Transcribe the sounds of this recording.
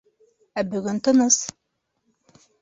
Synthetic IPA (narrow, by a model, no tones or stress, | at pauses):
æbɵɡɵnt̪ɤnɤs